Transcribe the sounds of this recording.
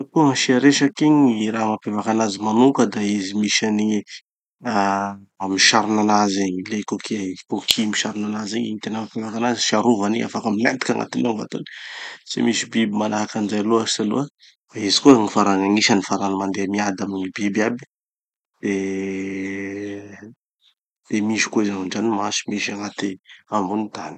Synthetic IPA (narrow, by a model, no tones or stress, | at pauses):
kuaʃiaɾeʃakiɲiɾamapevakanazimanukəd̪aizimiʃani | a | amiʃaɾinanazeɲlekokʰikokʰimiʃaɾinanazeɲint̪enəmapevakanaziʃiaɾuvania̰fakaminant̪i̥kʲaŋa̰t̪inoŋva̰t̪oni̥sḛmisibibimalaɦakanzajaluasalṵa | d̪aizi̥kuaŋifaɾanaŋiʃanifaɾanimand̪eamiad̪amiɲibibiabi̥ | d̪̥e | d̪̥emiʃi̥kuizaŋad͡ʒanimasi̥miʃaŋat̪iambunit̪ani̥